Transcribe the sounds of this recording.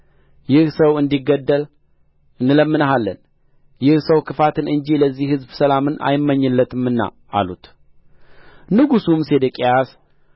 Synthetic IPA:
jɪhsəwɨnd̪iɡəd̪ːəl | ɨnːɨləmːɨnəɦalːə̰n | jɪhsəwkʰɨfat̪ʰɨnɨɲd͡ʒiləzːihhɨzbsəlamɨnʔa̰jɪmːəɲːɨlːət̪ʰɨmɨnːa̰ | ʔa̰lut̪ | nɨɡusumse̞d̪əkʼejas

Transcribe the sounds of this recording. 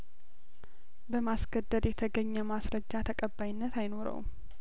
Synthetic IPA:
bəmasɡəd̪ːəd̪jɛt̪ʰəɡəɲːɛmasɾəd͡ʒːat̪ʰəkʼəbːajɪnːət̪ajno̞ɾə̰w

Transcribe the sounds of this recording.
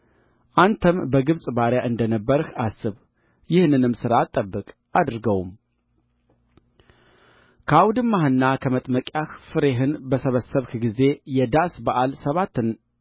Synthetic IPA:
ʔant̪ʰəmbəɡɨβsʼbaɾjaʔɨnd̪ənəbːəɾɨhasːɨβ | jɪhnɨnɨmsɨɾat̪ʼːəbːɨkʼ | ad̪ɾɨɡəwm | kʰawd̪ɨmːahɨnːakʰəmət̪ʼməkʼjaxfɨɾe̞ɦɨnbəsəβəsəβhɡize̞jɛd̪asbaʔalsəβat̪ːɨn

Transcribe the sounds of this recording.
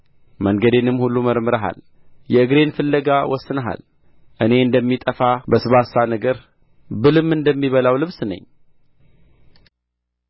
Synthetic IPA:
məŋɡəd̪enɨmhulːuməɾmɨɾəɦa̰l | jɛɨɡɾe̞nfɨlːəɡawɔsːɨnəɦa̰l | ʔɨne̞ɨnd̪əmːit̪ʼəfabəsɨβasanəɡəɾ | bɨlɨmːɨnd̪əmːiβəlawlɨβsnə̰ɲː

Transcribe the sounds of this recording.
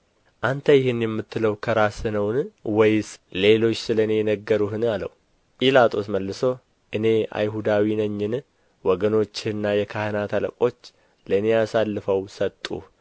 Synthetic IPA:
ʔant̪ʰəjɪhɪnjɛmːɨt̪ʰːɨləwkʰəɾasɨnəwnwɔjsle̞lo̞t͡ʃːsɨləɨne̞jɛnəɡːəɾuhɨnalə̰w | pʼilat̪ʰʼo̞sməlːɨso̞ | ʔɨne̞a̰jɦud̪awinəɲːɪn | wɔɡəno̞t͡ʃːɪnːajɛkʰahənat̪ʰalə̰kʼo̞t͡ʃː | ləɨnejasalːɨfəwsət̪ʼːṵ

